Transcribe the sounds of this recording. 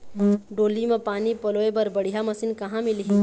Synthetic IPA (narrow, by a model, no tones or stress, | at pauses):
ɖoːlimẽpaːnipɐloːebɐɾbɐɽ̤ijamɐsinkɐɦãmɪlɦĩ